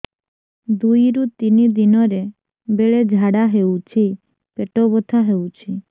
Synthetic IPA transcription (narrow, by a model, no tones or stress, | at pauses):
d̪ujɾũt̪inid̪inɔɾe | beɭed͡ʒʱaɽaɦeũt͡ʃʰi | peʈobɔt̪ʰaɦeũt͡ʃʰi